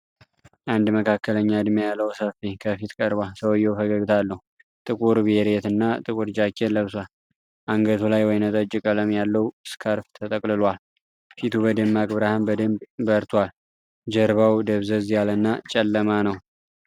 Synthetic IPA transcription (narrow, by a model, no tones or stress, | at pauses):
ʔand̪məkʰakːələɲːaɨd̪mejalːəwsəfikʰəfit̪kʼəɾbalsəwjːɛwfəɡəɡt̪ʰalːəhu | t̪ʼɨkʼuɾbeɾet̪ɨnːat̪ʼɨkʼuɾd͡ʒakʰʼːeləβswal | ʔaŋɡət̪ʰulajwɔjnət̪ʼəd͡ʒɪkʼələmjalːəwskʰaɾft̪ʰət̪ʼəkʼlɨlwal | fit̪ʰubəd̪ɨmːakʼbɾahambəd̪ɨmbbəɾt̪ʰwal | d͡ʒəɾβawd̪əβzəzjalənːat͡ʃʼɛlːəmanəw